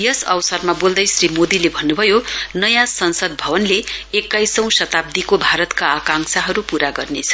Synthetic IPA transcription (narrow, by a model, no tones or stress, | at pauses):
jʌsʌwsʌrmabold̪ʌjsrimod̪ilebʱʌnːubʱʌjonʌjãsʌnsʌd̪̚bʱʌbʌnleekːajsʌ̃w̃sʌt̪ab̚d̪ikobʱaɾʌt̪kaːkãŋsaɦʌɾupuɾaɡʌrnet͡sʰʌ̥